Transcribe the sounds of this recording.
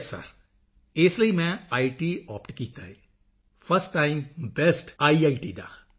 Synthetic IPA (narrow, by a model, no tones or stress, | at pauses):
sa̰ | eslɐimɛ̃aːiʈiːɔːpʈkiːt̪aɦe | fɐɾsʈːãːɪmbesʈaːiaːiʈiːd̪a̰ː